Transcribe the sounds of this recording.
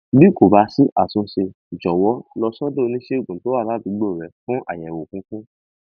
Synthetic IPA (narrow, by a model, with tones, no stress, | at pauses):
bi˦ko˨ba˨˧si˦ʔa˦˨sũ˧ʃe˧˨d͡ʒɔ˨wɔ˨˦lɔ˧sɔ˦do˦˨˧nĩ˦ʃe˦˨ɡũ˨to˨˦wa˦˨la˨˦bi˨˧˦ɡ͡bo˦˨ɾɛ˨˦fũ˦ʔa̰˨jɛ˨wo˨kũ˨˦kũ˦